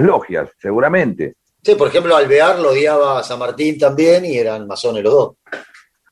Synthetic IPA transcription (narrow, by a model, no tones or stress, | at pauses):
loxja̰sːeɣuɾamẽnt̪ḛ | sipoɾexemploalβeaɾloðjaβasanmaɾt̪int̪ambjenieɾanmaso̞nelo̞ðo̞s